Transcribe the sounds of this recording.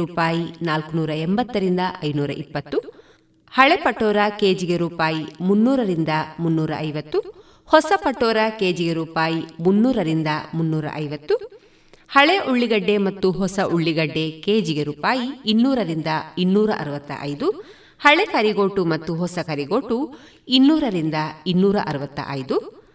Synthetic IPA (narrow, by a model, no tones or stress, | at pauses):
uːpaːjinaːlkunuːɾɐembɐt̪ːɐɾind̪ɐʔɐjnuːɾɐ̰ʔipːɐt̪ːu | hɐɭepɐʈːɔːɾɐkeːd͡ʒiɡe̞ɾuːpaːjimunːuːɾɐɾind̪ɐmunːuːɾɐ̰ʔɐjʋɐt̪ːu | hɔsɐpɐʈːoːɾɐkeːd͡ʒiɡeɾuːpaːjimunːuːɾɐɾind̪ɐmunːuːɾɐ̰ʔɐjʋɐt̪ːu | hɐɭeʔuɭːiɡɐɖːe̞mɐt̪ːuɦɔsɐʔuɭːiɡɐɖːe̞keːd͡ʒiɡe̞ɾuːpaːjiinːuːɾɐɾind̪ɐinːuːɾɐʔɐ̰ɾuʋɐt̪ːɐ̰ʔɐ̰jd̪u | hɐɭekɐɾiɡoːʈumɐt̪ːuɦɔsɐkɐɾiɡo̞ːʈu | inːuːɾɐɾind̪ɐinːuːɾɐʔɐɾuʋɐt̪ːɐ̰ʔɐ̰jd̪u